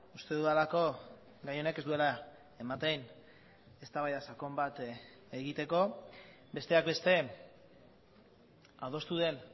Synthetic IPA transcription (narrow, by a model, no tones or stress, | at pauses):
ust̪e̞ðuðalako̞ | ɡajo̞ne̞kesd̪ue̞la | emat̪ejn | e̞st̪aβajðasako̞mbat̪ | eɣit̪e̞ko̞ | be̞st̪e̞akbe̞st̪e̞ | aðo̞st̪uðe̞n